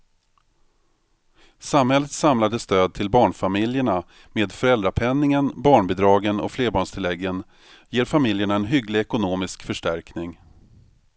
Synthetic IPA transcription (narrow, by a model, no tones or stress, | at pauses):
samhɛlːət̪samlad̪əst̪øːd̪̚t̪ʰɪlbɑːɳfamɪljəɳa | meːd̪fœɾɛld̪ɾapʰɛnːɪŋənbɑːɳbɪd̪ɾɑːɡənɔ̰fleːɾbɑːɳʂt̪ʰɪlɛɡːən | jeːɾfamɪljəɳaɛnɦʏɡlɪɛkʊnoːmɪskfœʂʈæɾknɪŋ